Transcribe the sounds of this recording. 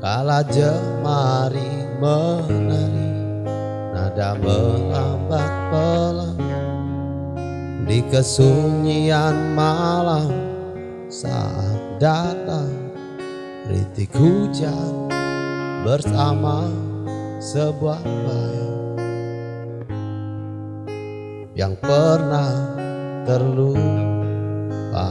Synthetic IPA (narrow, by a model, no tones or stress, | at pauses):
kalad͡ʒə | maɾi | mənəɾi | nadaməlambat̪̚pəlaŋ | dikəsuɲianmalam | sa̰ʔa̰t̪̚dat̪aŋ | rḭt̪iɡ̥ud͡ʒa | bərsama | səbuat̚bə | ja̰ŋpərnah | t̪ərlu | ba̰